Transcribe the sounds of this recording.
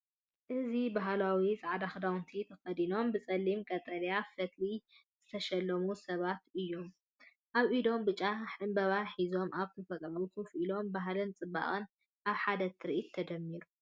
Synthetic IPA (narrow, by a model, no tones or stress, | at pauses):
ʔɨzibaɦlawizʼaʕad̪axd̪awnt̪ʰit̪ʰɐfɐd̪ino̞mbɨt͡sʼɐlːimkʼɐt̪ʼɐljafɐt̪li | z̥ɨt̪ʰɐʃɐlːɐmusɐβat̪ɨjːo̞m | ʔaβʔid̪o̞mbɨt͡ʃʼːaħɨmbɐβaħizo̞mʔaβt̪ʰɨfɐt̪ʼɾawit̪ʰufʔilo̞mbaɦlɨnt͡sʼɨbːa̰χʼɨn | ʔaβħad̪ɐt̪ʰɨɾiʔit̪ʰːɐd͡ʒ̪ɐmːiɾu